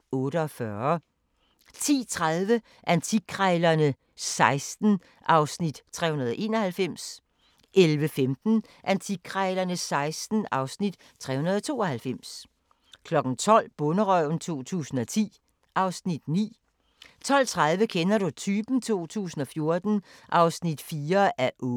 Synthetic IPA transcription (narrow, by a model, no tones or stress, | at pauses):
ɔ̽ːɾəɒ̽fɶɐ | t͡sʰḭːt͡sʰʁaðˠʋə | ʔænt͡sʰiɡ̥ʰʁɛɪlɐnə | sɑ̈ɪsd̥n̩ | ʔɑ̈ʊsnid̥t͡sʰʁɛ̰unɐðˠɒ̽ʔe̝̰ːnɒ̽hælfem̰s | ʔelʋəfemd̥n̩ | ʔænt͡sʰiɡ̥ʰʁɛɪlɐnəsɑ̈ɪsd̥n̩ɑ̈ʊsnid̥ | t͡sʰʁɛ̰hunɐðˠɒ̽t͡sʰo̝̰ːɒ̽hælfem̰s | kʰlɒ̽ɡ̥n̩t͡sʰɒ̽l̰b̥ɔ̽nəʁœʊ̰n̩t͡sʰo̝̰ːt͡sʰṵːsn̩ɒ̽t͡sʰḭː | ʔɑ̈ʊsnid̥nḭː | t͡sʰɒ̽l̰t͡sʰʁaðˠʋəkʰenɐɾut͡sʰyːb̥n̩t͡sʰo̝̰ːt͡sʰṵːsn̩ɒ̽fjo̝ɐd̥n̩ʔɑ̈ʊsnid̥fiːɐæɐʔɔ